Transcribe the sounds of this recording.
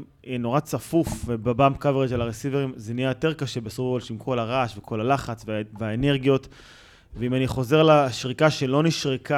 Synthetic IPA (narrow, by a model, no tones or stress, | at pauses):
jɛno̞ʁat͡safufvebebamkaveʁeʃelaʁesiveʁimzenijajo̞te̞ʁkaʃebesofolʃimkʰo̞laʁaʃvekʰo̞lalaχat͡sveveaene̞ʁɡijo̞t | veimaniχo̞ze̞ʁlaʃʁikaʃe̞lo̞niʃʁika